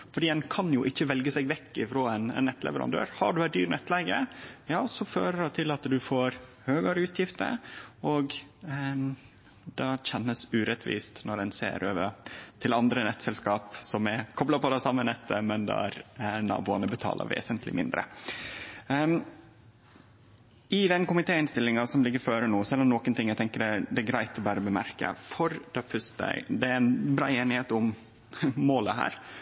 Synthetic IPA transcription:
fɔɖiːd̪ɛnkʰɑnjʊʔɪçːəʋɛlɡəsɛɡʋɛkːɪfɾoːɛnɛ̰nːɛt̪lɛ̰ʋəɾɑ̰nd̪ø̰ːɾhɑ̰ɖʉæd̪yːɾnɛt̪lɛɡəjɑːsɔføːɾəɖɑt̪ʰɪlɑt̪d̪ʉfoːɾ | høːɡɑɾəʉːt̪ʰjɪft̪ə̰ɔɡ | d̪ɑçɛnːəsʉːɾɛt̪ʰʋḭːst̪nɔɾɛnsḛːɾʔøːʋət̪ʰɪlɑnd̪ɾənɛt̪sɛlskɑːpsɔmɛkʰɔblɑpɔd̪ɛsɑmːənɛt̪ʰːəmɛnd̪ɛ̰æ̰ɾnɑ̰ːbuːɑnəbət̪ʰɑ̰ːlʔə̰ɾʋḛːsənt̪ʰlɪ̰mɪnd̪ɾə̰ | ɪd̪ɛnkʊmɪt̪ʰeːɪnst̪ɪlːɪŋɑsɔmlɪɡːəɾføːɾənuːsɛlːɔmnɔkənt̪ʰɪŋːæɪt̪ɛŋkəɖɛd̪ɛɡɾæɪt̪ɔbæːɾəbəmæɾkə̰fɔɾd̪̥ɛfœʂt̪ə̰d̪ɛænbɾɑ̰ːeːnɪheːt̪ʊm | moːləɦæ̰ːɾ

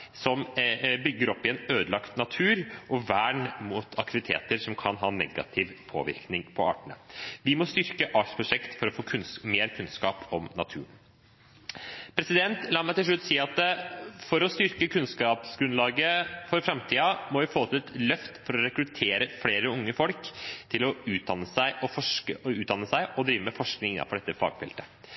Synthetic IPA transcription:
sɔmbʏɡːəɾɔpːɪɛːnøːd̪əlɑkt̪nɑt̪ʰʉːɾʔɔʋæːɳmut̪ʰɑ̰kt̪ɪʋɪt̪ʰḛːt̪əɾsɔmkʰɑnɦɑːnɛ̰ɡɑ̰t̪ʰɪʋpʰo̰ːʋɪ̰ɾknɪŋpʰɔɑ̰ːʈəɳə̰ʋɪmɔst̪ʏɾkəʔɑːʈspʰɾʊʂɛkt̪fɔɾɔfoːkʰʉnmeːɾkʰʉnskɑːpʰɔmnɑ̰t̪ʰʉ̰ːɳ | pʰɾɛsɪd̪ɛnt̪lɑːmæɪt̪ɪlʂɭʉt̪ːsiːɑt̪fɔɾɔst̪ʏɾkəkʰʉnskɑːpsɡɾʉnlɑːɡəfɔɾfɾɑmt̪ʰiːɑmɔʋɪfoːt̪ʰɛt̪lœft̪fɔɾɔɾɛkɾʉt̪ʰeːɾəfleːɾəʊŋːəfɔlkt̪ʰɪlɔʉːt̪̚d̪ɑnːəsæɪʔɔfɔʂkəʔɔʉːd̪ɑnːəsæɪʔɔd̪ɾiːʋəmɛfɔʂknɪŋɪnːɑ̰fɔɖɛt̪ːəfɑ̰ːɡfɛ̰lt̪ə

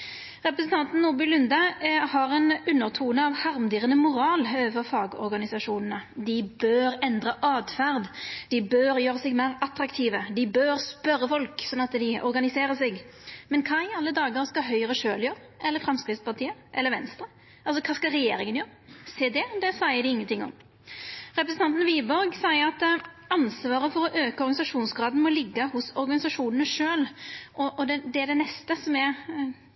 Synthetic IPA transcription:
ʁɛpɾəsn̩t̪ʰɑnt̪n̩nuːbɪlʉnd̪əhɑɾɛnʉnːəʁt̪ʰuːnəɑʋhɑʁmd̪iːʁənəmʊɾɑːløːəfəʁfɑːɡɔ̰ɾɡɑnɪsɑʂuːnənəd̪ɪbøːɾɛnd̪ʁəʔɑːd̪fæʁd̪d̪ɪbøːjøːɾəsɛɡmæɪʁɑt̪ɾɑkt̪ʰiːʋəd̪ɪbøːɾspœɾːəfɔlksɔnːɑt̪d̪ɪɔ̰ɾɡɑnɪseːɾəsɛɡmɛnkʰɑːɪɑlːəd̪ɑːɡəɾskɑɦœʏəʁəʃøːljøːʁəʔɛlːəɾfɾɛmskɾɪt̪spɑt̪ʰiːəʔɛlːəɾʋɛnst̪ɾə | ʔɑls̬ɔkʰɑːskɑɾɛjeːɾɪŋənjøːɾəseːd̪ɛd̪ɛsæɪəd̪ɪɪŋːənt̪ʰɪŋːɔ̰m | ɾɛpɾəsn̩ɑnt̪n̩ʋiːbɔɾɡsæɪəɾɑt̪ | ɑnsʋɑːɾəfɔɾɔʔøːkəɔɾɡɑɪsɑʂuːnsɡɾɑːd̪n̩mɔlɪɡːəhʊsɔɾɡɑnɪsɑʂuːnənəʂøːlʔɔʔɔd̪ɛd̪ɛːɖ̪ɛnɛst̪əsɔmɛ

